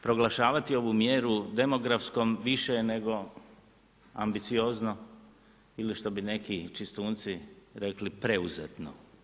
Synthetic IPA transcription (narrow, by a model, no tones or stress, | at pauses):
pɾo̞ɡlaʃaːʋat̪io̞ʋumjeːɾud̪e̞mo̞ɡɾafskomʋiʃene̞ɡo̞ | a̰mbit̪sio̞zno | iliʃt̪o̞bine̞kit͡ʃist̪uːnt̪siɾe̞klipɾe̞uzḛt̪no̰